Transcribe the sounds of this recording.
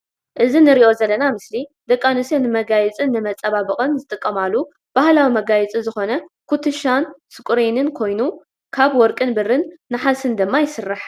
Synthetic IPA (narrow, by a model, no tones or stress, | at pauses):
ʔɨzinɨɾiʔo̞zɐlːɐnamɨslid̪ɐkʼːanɨsenɨmɐɡajɛt͡sʼɨnːɨmɐt͡sʼɐβaβɨkʼɨnzɨt̪ʼɨkʼːɐmalːu | b̥ahlawimɐɡajɛt͡sʼizɨxo̞nɐkʰut̪ʰɨʃansɨkʼuɾenɨnkʰo̞jnu | kʰaβwɔɾkʼɨnbɨrːɨnːɨħasɨnd̪ɨmːajɪsɨrːaħ